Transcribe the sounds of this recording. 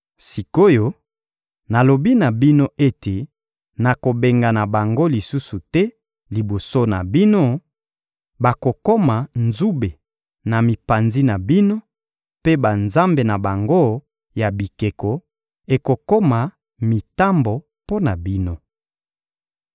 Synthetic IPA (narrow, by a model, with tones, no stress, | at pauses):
si˨ko˦jo˨˦ | na˨lo˨bi˦na˨bi˦no˦ʔe˦te˨ | na˨ko˨be˨ŋɡa˨na˨ba˨ŋɡo˦li˨su˦su˨tɛ˦ | li˨bo˨so˦na˨bi˦no˦ | ba˨ko˨ko˦ma˨nzu˦be˨ | na˨mi˨pa˨nzi˦na˨bi˦no˦ | pe˦ba˨nza˦mbe˨na˨ba˨ŋɡo˦ | ja˨bi˨ke˨kɔ˨ | e˨ko˨ko˦ma˨ | mi˨ta˦mbo˨ | po˦na˨bi˦no˦